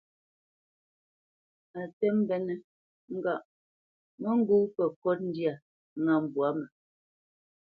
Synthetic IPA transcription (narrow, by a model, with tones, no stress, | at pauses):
a˨tɛ˦m̩˦bɛ˨nɛ˨ | ŋ̩˦ɡa˨ʔ | mɛ˦ŋ̩˦ɡu˦pɛ˨kɔ˦t̚n̩˦dja˨ | ŋa˨m̩˨bwa˨˦mɛ˨